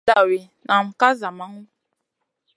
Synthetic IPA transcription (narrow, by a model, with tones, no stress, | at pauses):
a˨we˨ | nʔa˨m̩˨ka˦za˨ma˦ŋũ˦